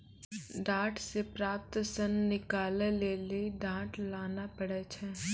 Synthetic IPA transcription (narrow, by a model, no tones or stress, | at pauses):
ɖãːʈsepɾaːp̚t̪sənːɪkaːleleːliiɖãːʈlaːnapəɽɛt͡ʃʰɛː